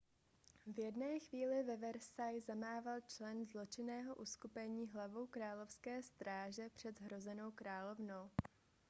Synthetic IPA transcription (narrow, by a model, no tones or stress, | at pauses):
vjɛdnɛːxviːlɪvɛvɛɾsajzamaːvalt͡ʃlɛnzlo̞t͡ʃɪnɛːɦo̞ʔuskupɛɲiːɦlavowkɾaːlo̞fskɛːst̪ɾaːʒɛpr̝̥ɛd̪ɦɾo̞zɛno̞wkɾaːlo̞vno̞w